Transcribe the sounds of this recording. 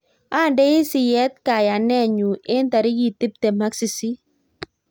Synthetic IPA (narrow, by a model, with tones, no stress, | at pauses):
a˦˨ndɛ˦ɪ˦sɪ˨jɛ˦t̪̚ka˨ja˨nɛ˦˨ɲu˨ʔe˦nt̪a˨ɾɪ˦ɡi˨t̪ɪ˦p̚t̪e˨ma˦ksi˨si˦